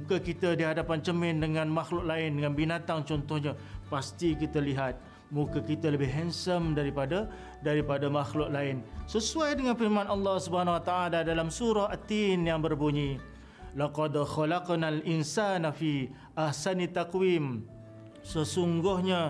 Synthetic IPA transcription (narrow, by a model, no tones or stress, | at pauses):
mukəkit̪ədiɦadapant͡ʃəmɪndəŋanmaxlʊʔ̚laɪndəŋanbinat̪aŋt͡ʃɔnt̪ɔhɲapast̪ikit̪əliɦat̪̚ | mukakit̪ələbɪhɦɛnsəmdaɾipadə | daɾipadamaxlʊʔ̚laɪnsəsuajdəŋanfirmanalːɑhsubəanawat̪aːladalamsuɾɔhat̪injaŋbərbuɲĩ | laqɔd̪ɔxɔlaqnalinsanafi | ʔahsanit̪ːakwim | səsuŋɡʊhɲa